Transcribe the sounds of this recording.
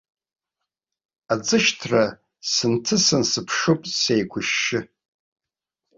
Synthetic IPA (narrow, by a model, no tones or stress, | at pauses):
ad͡zɨʃtʰra | sɨntʰɨsɨnsɨpʰʂopʼsejɡʷʰʊʃːɪ